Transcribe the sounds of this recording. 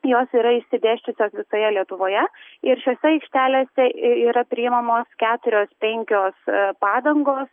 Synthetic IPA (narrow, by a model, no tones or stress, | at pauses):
joːsiːɾɐɪʃʲsʲɪd̪ʲæːʃʲt͡ʃʲʊsʲoːsʋʲɪsoːjɛlʲiɛt̪ʊʋoːjɛɪɾʃʲoːsʲɛɐɪkʃʲt̪ʲæːlʲeːsʲɛiːɾɐpʲɾʲɪɪmɐmoːskʲæːt̪ʊɾʲoːspʲɛŋʲkʲoːspɑːd̪ɐŋɡoːs